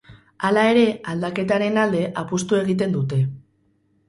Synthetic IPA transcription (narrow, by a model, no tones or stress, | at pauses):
alae̞ɾe̞ald̪ake̞t̪aɾe̞nald̪e̞ʔapust̪ue̞ɣ̞it̪̬e̞nd̪ut̪e̞